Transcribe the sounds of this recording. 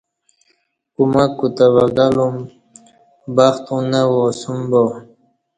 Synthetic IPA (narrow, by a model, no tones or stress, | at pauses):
kumakːut̪avaɡalum | baxt̪unawosumbo